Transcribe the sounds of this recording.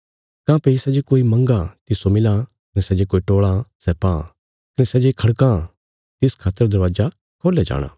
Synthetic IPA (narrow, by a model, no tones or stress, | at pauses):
kãːpeisɛd͡ʒekoːimɐ̃ŋɡat̪ɪsomɪlã | kɐnɛsɛd͡ʒekoːiʈoːɭãsɛpã | kɐnɛsɛd͡ʒekʰɐɽkãː | t̪ɪskʰaːt̪əɾd̪ɐɾʋaːd͡ʒa | kʰoːlad͡ʒa̰ːɽ̃ã̰ː